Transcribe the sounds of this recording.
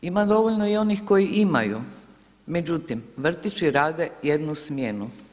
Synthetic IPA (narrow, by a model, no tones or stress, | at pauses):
imad̪o̞ʋoʎnoio̞nixko̞jiʔima̰jṵ | me̞d͡ʒut̪imʋr̩t̪it͡ʃiɾaːd̪ejed̪nusmjenu